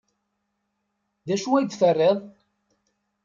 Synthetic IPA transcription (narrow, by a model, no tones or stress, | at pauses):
ðæʃuæd̪θərːeðˤ